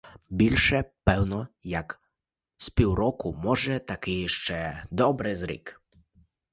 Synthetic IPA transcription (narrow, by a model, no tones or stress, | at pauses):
bʲilʲʃɛpɛwnɔjak | spʲiwɾɔkʊmɔʒɛt̪akɪʃt͡ʃɛd̪ɔbɾɪzɾḭk